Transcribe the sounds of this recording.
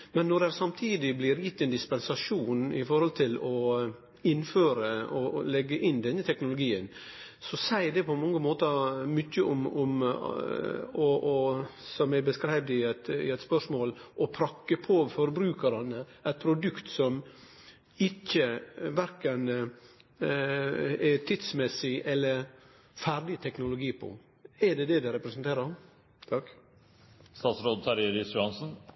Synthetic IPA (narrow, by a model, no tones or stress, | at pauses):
mɛnːɔɖɛɾsɑmt̪ʰiːd̪ɪblɪɾjɪt̪ːɛːnd̪ɪspɛnsɑʂuːnɪ̰fɔɾhɔlt̪ʰɪlɔ | ɪnːføːɾəɔlɛɡːəʔɪnd̪ɛnːət̪ʰɛknʊlʊɡiːən | sɔsæɪd̪ɛpʰɔmɑŋːəmoːt̪əmʏçːəʔɔmɔm | ɔʔɔsɔmæɪbəskɾæɪʋd̪ɪæt̪ɪ̰ɛt̪spœʂmoːlʔɔpʰɾɑkːəpʰoːfɔɾbɾʉːkəɾɑnə | æt̪̚pʰɾʊd̪ʉkt̪sɔm | ɪçːəʋæɾkən | ɛt̪ʰɪt̪smɛsɪʔɛlːəɾ | fæɾdɪt̪ʰɛknʊlʊɡiːpʰɔ̰ | ɛɖɛd̪ɛd̪ɛɾɛpɾəsənt̪ʰeːɾə | t̪ʰɑk | st̪ɑːt̪sɾoːd̪̚t̪ʰɑɾeɾɪsʉɑnsn̩